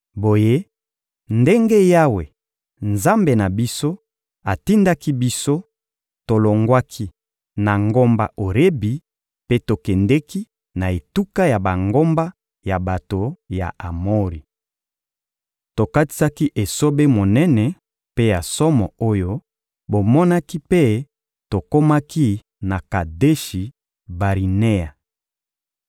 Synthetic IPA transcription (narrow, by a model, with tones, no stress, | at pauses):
bo˨je˦ | nde˦ŋɡe˦ja˦we˨ | nza˦mbe˨na˨bi˦so˦ | a˨ti˦nda˦ki˦bi˦so˦ | to˨lo˨ŋɡwa˦kʰi˦ | na˨ŋɡo˦mba̰˦ʔo˨ɾe˦bi˨ | pe˦to˨kɛ˨ndɛ˦ki˦ | na˨e˨tu˦ka˦ja˨ba˨ŋɡo˦mba˦ | ja˨ba˨to˨ja̰˨ʔa˨mo˦ʁi˨ | to˨ka˦ti̥˦sa˦ki˦ʔe˨so˦be˦mo˨nɛ˦nɛ˨ | pe˦ja˨sɔ˦mɔ˨o˦jo˦ | bo˨mɔ˦na˦ki˦pe˦ | to˨ko˦ma˦ki˦ | na˨ka˨de˦ʃi˨ | ba˨ʁi˨ne˦ja˨